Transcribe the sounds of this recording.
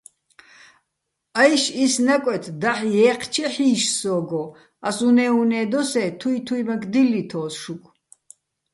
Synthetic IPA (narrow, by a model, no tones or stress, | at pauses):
ajʃisnakʼwɛt̪ʰd̪aħjɛːqʰt͡ʃʰɛħiːʃsɔːɡɔ | asunɛunɛːd̪ɔsɛːt̪ʰuit̪ʰuimakʰd̪ilːit̪ʰɔːsʃukʰ